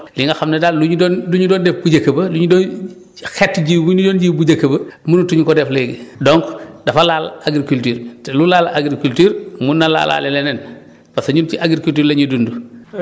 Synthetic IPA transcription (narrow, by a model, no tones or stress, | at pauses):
liŋɡɐxamnɛdaːlluɲudɔnduɲudɔːndɛfbuɟɐkːɐbɐduɲudɔːn | xɛtːɟiwuɲudoːnɟiːbuɟɐkːəbɐmunutuɲukɔdɛfleɡidɔŋkdɐfalaːlaɡɾikultiːɾtlulaːlaɡɾikultiːɾmunːala̰ːla̰ːlɛlɛnɛn | pasɐɲunt͡ʃiʔaɡɾikultiːɾleɲudundu